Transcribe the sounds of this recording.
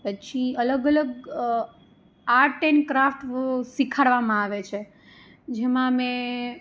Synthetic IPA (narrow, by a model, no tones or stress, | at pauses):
pət͡ʃʰiələɡələɡ | aɾʈenkɾafʈsikʰaɽʋamãaʋet͡ʃʰe | d͡ʒemãmẽ